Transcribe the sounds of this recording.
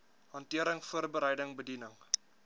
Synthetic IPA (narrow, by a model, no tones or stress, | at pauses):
ɦɑntiəɾəŋfuərbəɾəjdəŋbədinəŋ